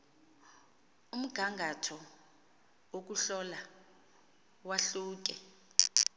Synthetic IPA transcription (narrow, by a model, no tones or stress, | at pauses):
um̩ɡ̥ʱaŋɡʱatʰɔ | wok̬uɬɔla | waɬuːk̬ɛ